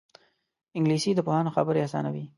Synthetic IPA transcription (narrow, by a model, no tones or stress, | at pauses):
ɪŋɡlisid̪əpohɑnoxa̰bəɾeasɑ̰nawi